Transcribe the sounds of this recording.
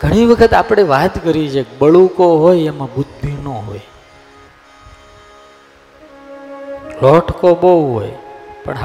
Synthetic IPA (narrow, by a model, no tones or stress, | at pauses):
ɡʱəɽ̃iʋəkʰət̪apɽ̃eʋat̪kəɾit͡ʃekbəɭukoɦojemãbud̪̚bʱinõɦo̰j | lɔʈʰkoɓoɦo̰jpə̰ɳɦ